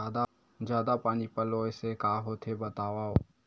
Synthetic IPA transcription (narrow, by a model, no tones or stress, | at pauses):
ad̪a | d͡ʒjaːd̪apaːnipəloɛsekaːɦot̪ʰebət̪aːʋao